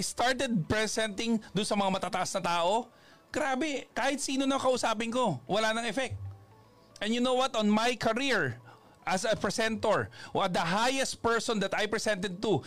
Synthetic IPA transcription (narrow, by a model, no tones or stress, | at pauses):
jst̪aɹt̪ɛd̪̚pɹɛsɛnt̪ɪ̃ŋd̪ʊnsɐmɐŋamɐt̪aːt̪ɐʔasnɐt̪aːʔo̞ | ɡ̥ɾaːbɛkaːhɪt̪siːnonɐkɐʔʊsaːp̬ɪnko̞wɐlaːnɐŋɛfɛk̚t̪̚ | ʔɛ̃njʊnowwɐt̪onmajkʰɐɾiɹ | ʔɐsɐpɹɛsɛ̃nt̪oɹɐd̪ɐɦajɛst̪̚pɛɹsɔnd̪ɐt̪ajpɹɛsɛ̃nt̪ɛd̪̚t̪u